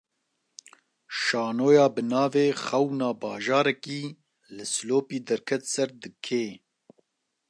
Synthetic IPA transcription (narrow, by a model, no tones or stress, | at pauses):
ʃɑːnoːjɑːbɨnɑːveːxɛwnɑːbɑːʒɑːɾɛkiː | lɨsloːpiːd̪ɛɾkʰɛt̪sɛɾd̪ɨkʰeː